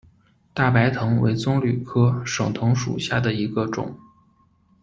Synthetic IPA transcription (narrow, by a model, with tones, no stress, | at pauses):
t̪a˥˩pa˧˥ɪt̪ʰɤ˧˥ŋwḛ˧˥ɪt͡sʊ˥ŋly˨˩kʰɤ˥ʂɤ˨˩ŋt̪ʰɤ˧˥ŋʂṵ˨˩ɕja˥˩d̪ə˩i˧˥ɡə˧ʈ͡ʂʊ̰˨˩˦ŋ